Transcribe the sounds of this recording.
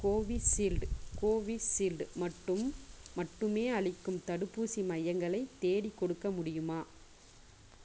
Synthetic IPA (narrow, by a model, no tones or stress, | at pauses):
koːʋisilɖkoːʋisɪlɖmɐʈːɯmmɐʈːɯmeːɐɭɪkːɯmt̪ɐɽɯpːuːsimɐjɐŋɡɐɭɐɪt̪ːeːɽikːɔɽɯkːɐmʊɽɪjɯmaː